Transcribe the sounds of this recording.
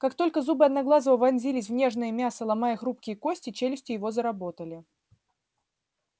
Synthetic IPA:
kakt̪o̞lʲkəzubɨɐd̪nɐɡlˠazəvəvɐnʲzʲilʲɪsʲvnʲe̞ʐnəjəmʲasəlˠɐmajəxɾupkʲɪjəko̞sʲtʲɪt͡ɕelʲɪsʲtʲɪjɪvo̞zəɾɐbo̞t̪əlʲɪ

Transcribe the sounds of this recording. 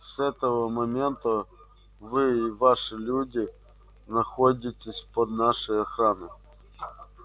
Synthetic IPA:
sɛt̪əvəmɐmʲent̪ə | vɨːvaʂɨlʲudʲɪ | nɐxodʲɪtʲɪsʲpəd̪naʂəjɐxɾanɨ

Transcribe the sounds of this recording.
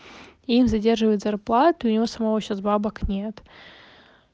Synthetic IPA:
imzɐdʲe̞rʐɨvəjɪt̪zɐrplˠat̪ɨɨʊnʲɪvo̞səmɐvoɕasbabəknʲe̞t̪

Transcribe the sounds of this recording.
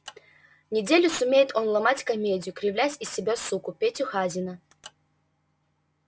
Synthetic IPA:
nʲɪdʲelʲʊsumʲejɪt̪ʰonlˠamatʲkɐmʲedʲɪjʊkɾʲɪvlʲæsʲisʲːɪbʲasukʊpʲetʲuxazʲinə

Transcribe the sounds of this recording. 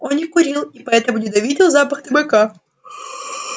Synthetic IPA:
onʲɪkʊɾʲilˠipɐɛt̪əmʊnʲɪd̪ɐvʲidʲɪlˠzapɐxt̪ɨbɨka

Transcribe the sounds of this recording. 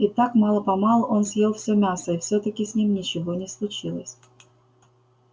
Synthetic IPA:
ɪt̪akmɑlˠəpɐmɑlˠonsʲjelˠfsʲɵmʲasəɪfsʲot̪əkʲɪsʲnʲimnʲɪt͡ɕɪvonʲɪslˠʊt͡ɕilˠəsʲ

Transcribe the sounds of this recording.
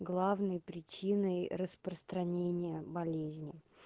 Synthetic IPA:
ɡlˠavnəjpɾʲɪt͡ɕinəjrəspɾəst̪ɾɐnʲenʲɪjəbɐlʲezʲnʲɪ

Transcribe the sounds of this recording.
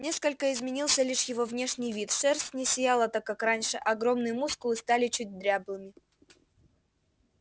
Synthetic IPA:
nʲe̞skəlʲkəɪzmʲɪnʲilˠsʲəlʲiʂjɪvo̞vnʲe̞ʂnʲɪjvʲit̪ʂɛrsnʲɪsʲɪjalˠət̪akːakranʲʂɨʔɐɡɾo̞mnɨjəmuskʊlˠɨst̪alʲɪt͡ɕut̚ʲd̪ɾʲablˠɨmʲɪ

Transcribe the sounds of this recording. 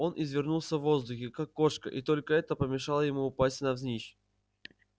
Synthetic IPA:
o̞nʔɪzvʲɪrnulˠsʲəvːo̞zd̪ʊxʲɪkakːo̞ʂkə̰ʔɪt̪o̞lʲkəɛt̪əpəmʲɪʂalˠəjɪmuːpasʲtʲnɐvzʲnʲiɕ

